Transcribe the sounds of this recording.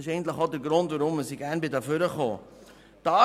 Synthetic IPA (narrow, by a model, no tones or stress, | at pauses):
ɪʃɛɪɡən̩t̪lɪχodəɾɡɾʊndvʋʊɾʊmməsiɡæɾnbɪdɑføɾəχo̰ː | d̥ɑː